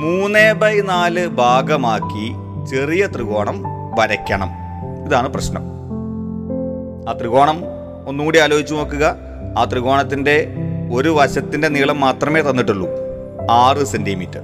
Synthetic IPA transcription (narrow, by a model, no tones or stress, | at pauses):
muːne̞ːbɐjnaːlɨbʱaːɡɐmaːkːi | t͡ɕe̞rijɐt̪riɣo̞ːɳɐm | ʋɐɾɐkʲːɐɳɐm | iðaːɳɨprɐɕnɐ̰m | aːt̪riɣo̞ːɳɐm | o̞nːuuːɽiaːlo̞ːɦit͡ɕːuno̞ːkːuɣɐ | aːt̪riɣo̞ːɳɐt̪ːinde̞o̞ɾuʋɐɕɐt̪ːinde̞niɭɐmːaːt̪rɐme̞ːt̪ɐnːiʈːuɭːu | aːrɨsendijmitːɨ